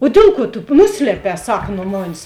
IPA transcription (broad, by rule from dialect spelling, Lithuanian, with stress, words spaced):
oː ˈdʲeːlˠ ˌkuɔ tʊ ˈnʊsʲlʲiɛpʲɛː ˈsɑːkɐ nʊ ˈmɑːnʲɪs